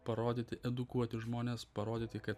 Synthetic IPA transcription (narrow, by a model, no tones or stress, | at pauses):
pɐɾoːd̪ʲiːt̪ʲɪʔɛd̪ʊkuɔt̪ʲɪʒmoːnʲeːspɐɾoːd̪ʲiːt̪ʲɪkɐt̪